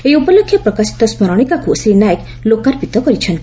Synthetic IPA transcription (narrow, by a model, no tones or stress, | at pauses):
eiupɔlokʰːjɔpɾɔkasi̥t̪ɔsmɔɾɔɽ̃ikakuʔsinajek | lokaɾpit̪ɔkɔɾit͡ʃʰɔn